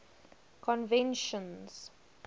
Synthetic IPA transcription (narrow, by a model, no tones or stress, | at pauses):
kʰɔ̃nvɛ̃nʃə̃nz̥